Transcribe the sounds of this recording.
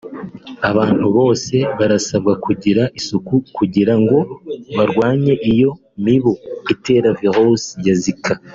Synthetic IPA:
aβaːn̥huβo̞ːse̞βaɾasabɡakʰuɟiɾaʔisukukuɟiɾaŋɡo̞βaɾɡwaːɲe̞ʔijo̞ | miβoite̞ːɾaviɾosjazikʰa

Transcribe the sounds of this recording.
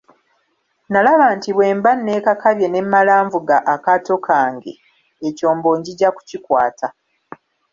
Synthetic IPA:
nalaβaːntiβwe̞ːmbanːe̞ːkakaβje̞ne̞mːalaːɱvuɡaʔakato̞kʰaːŋɡe̞̰ | eco̞ːmbo̞ːɲɟiɟaku̥cikwaːtʰa

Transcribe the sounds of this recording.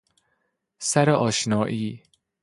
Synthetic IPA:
sæɾeʔɒːʃnɒːʔiː

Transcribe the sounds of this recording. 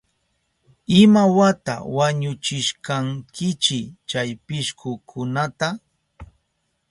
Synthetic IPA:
ɪmawat̪a̰waɲʊt͡ʃɪʃkaŋkʰɪt͡ʃɪt͡ʃajpɪʃkʊkʰʊnat̪a

